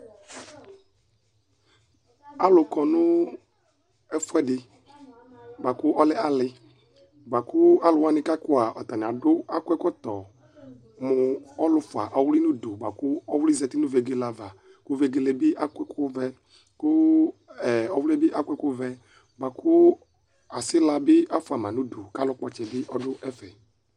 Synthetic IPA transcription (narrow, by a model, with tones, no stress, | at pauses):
a˦lʊ˨kɔ˨nʊ˦ | ɛ˦fʊ˦ɛ˦dɪ˨ | ba˨kʊ˦ʔɔ˦lɛ˦a˦lɪ˦ | ɡ͡ba˨kʊ˦a˦lʊ˨wa˦nɪ˦ka˦kʊ˦a˨ʔɔ˨t̪a˨nɪ̃˨a˨dʊ˦a˦kʊ˦ɛ˦kɔ˦t̪ɔ˨ | mʊ˨ɔ˦lʊ˦fʊ˨a̰˨ʔɔ˨wʊ˦li˦nũ˦du˨ɡ͡ba˨kʊ˦ɔ˦wli˦zɛ˨t̪i˦nũ˦ve˨ɡe˦la˨va˨ | kʊ˦ve˦ɡe˦lɛ˨bɪ˦ʔa˦kɛ˦kʊ˦vɛ˦ | kʊ˦ɛ˨ɔ˨wu˦lɛ˦bɪ˦ʔa˦kʷɛ˦kʊ˦vɛ˦ | ɡ͡ba˨kʰʊ˦ | a˨sɪ˦la˨bɪ˦a˦fʊ˨a˨mã˨nũ˦du˨ka˦lʊ˦k͡pɔ˨t͡ʃɛ˨bɪ˦ʔɔ˦ɖʊ˦ʔɛ˦fɛ˨